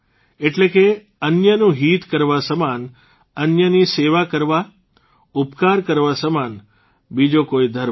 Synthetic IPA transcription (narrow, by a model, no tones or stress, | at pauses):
eʈleke | ənjənũɦit̪kəɾʋasəman | ənjəniseʋakəɾʋa | upkaɾkəɾʋasəman | bid͡ʒokoid̪ʱəɾ